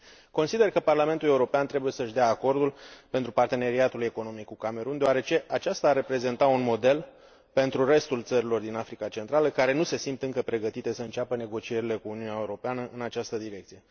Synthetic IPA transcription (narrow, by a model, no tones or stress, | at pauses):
ko̞nsid̪e̞rkəparlame̞nt̪ule̞uɾo̞peant̪ɾe̞buje̞səʃd̪eaːko̞rd̪ulpe̞nt̪ɾupart̪e̞ne̞ɾiat̪ule̞ko̞no̞mikːukame̞ɾund̪eoaɾe̞t͡ʃe̞ʔat͡ʃast̪aːre̞pɾe̞ze̞nt̪aunmo̞d̪e̞l | pe̞nt̪ɾure̞st̪ult̪səɾilo̞rd̪inafɾikat͡ʃe̞nt̪ɾaləkaɾe̞nuse̞simpt̪ɨŋkəpɾe̞ɡət̪it̪e̞səɨnt͡ʃapəne̞ɡo̞t͡ʃie̞ɾile̞kuːniuneaeuɾo̞peanəʔɨnat͡ʃast̪əd̪iɾe̞k̚t̪sije̞